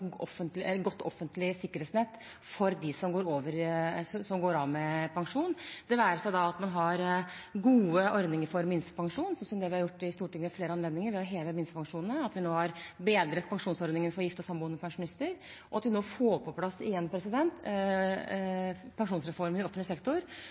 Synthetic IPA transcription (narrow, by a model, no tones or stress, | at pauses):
ɔfːənt̪lɛəɡɔt̪ːɔ̰fːənt̪lɪsɪkːəɾhɛt̪snɛt̪ː | fɔɾd̪ɪsɔmɡoːɾoːʋəɾsɔsɔmɡoːɾɑːʋmɛpʰɑŋʂuːnd̪̥ɛʋæːɾəʂæɪd̪ɑɑt̪mɑnɦɑɾɡuːəʔɔɾd̪nɪŋəɾfɔɾmɪnsə̥pɑŋʂuːnsɔnsɔmd̪ɛʋɪhɑɾjʊʈːɪst̪uːʈʰɪŋːəɛfleːɾəɑnleːd̪nɪŋəɾʋɛɔɦeːʋəmɪnskəpɑŋʂuːnnəɑt̪ʋɪnoːhɑɾbeːd̪ɾət̪̚pʰɑŋʂuːnsɔɾd̪ɪŋənfɔɾjɪft̪ɔsɑmbuːnəpʰɑŋʂʊnɪst̪əɾ | ʔɔɑt̪ʋɪnoːfoːpʰɔpʰlɑsːɪjɛnpʰɾɛsɪd̪ɛnt̪ | pʰɑŋʂuːnsɾɛfɔɾmənɪɔfənlɪsɛkt̪ʊɾ